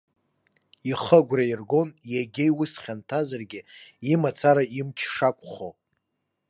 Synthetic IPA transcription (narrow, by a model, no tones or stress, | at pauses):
iχəɡʷrairɡo̞njaɡʲejwʊsχʲantʰazarɡʲɪimat͡sʰaɾaimt͡ʃʰʂakʷʼχo